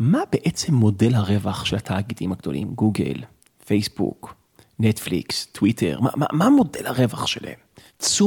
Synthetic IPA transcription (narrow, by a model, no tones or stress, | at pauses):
mabeʔet͡se̞mːo̞delhaʁevaχʃelatʰaɡetimhaɡd̥o̞̰lḭmɡuɡḛl | fejsbṵk | netflḭkstwitʰḛʁma̰ma̰mamo̞de̞lhaʁevaχʃela̰em | t͡su